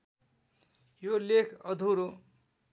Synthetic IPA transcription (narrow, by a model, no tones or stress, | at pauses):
jolekʰʌd̪ʱuɾo